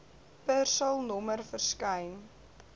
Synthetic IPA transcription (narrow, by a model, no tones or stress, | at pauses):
pərsɐlˠnɔmərfərskəjn